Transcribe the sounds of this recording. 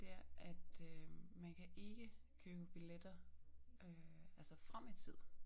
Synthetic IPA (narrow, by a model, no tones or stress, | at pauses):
d̥e̝æɐʔæd̥ømænkʰæʔe̝ɡ̥əkʰøːb̥əb̥iled̥ɐ | øælsɐfʁamit͡sʰið̞̰ˠ